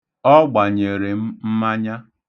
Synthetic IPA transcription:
ɔ˦ɡ͡ba˨ɲe˨ɾɪ˨m̩˦m̩˦ma˦ɲa˦

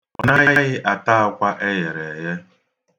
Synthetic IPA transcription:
ɔ̰˨na˦je˦e˦ɣɪ˦ʔa˨ta˦a˦kʷa˦ʔe˦ɣe˨ɾe˨je˦

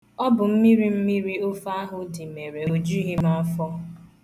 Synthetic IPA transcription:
ɔ˦bʊ˨m̩˦mi˦ɾi˦m̩˦mi˦ɾi˦o˦fa˦a˦ɦʊ˦di˨me˨ɾe˨o˨d͡ʒi˦ɦi˦ma˦fɔ˦

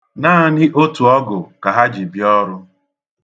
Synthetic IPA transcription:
naː˦˨nɪ˦ʔo˦tu˨ɔ˦ɡʊ˨ka˨ɦa˦d͡ʒi˨bjɔ˦ɾʊ˦

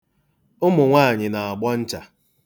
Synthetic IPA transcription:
ʊ˦mʊ˨ŋʷaː˦˨ɲɪ˨na˨a˨ɡ͡bɔ˦n̩˦t͡ʃa˨

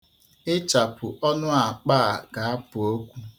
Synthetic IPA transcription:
ɪ˦t͡ʃa˨pʊ˨ʔɔ˦nʊ˦a˨k͡pa˦˨ɡa˨a˦pʊ˨o˦kʷu˦

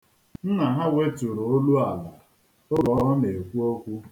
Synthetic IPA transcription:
n̩˦na˨ɦa˦we˦tʊ˨ɾo˨o˦lu˦a˨la˨ | ʊ˦ɾɔ˨˦ne˨e˨kʷu˦o˦kʷu˦

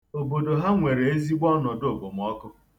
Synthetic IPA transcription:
o˨bo˨do˨ɦa˦ŋʷe˨ɾe˨e˦zi˦ɡ͡bʷɔ˦nɔ˨do˨bo˨m̩˨ɔ˦kʊ˦

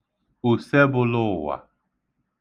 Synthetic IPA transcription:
u˨sɛ˦bʊ˦lʊ˦˨wa̰˨

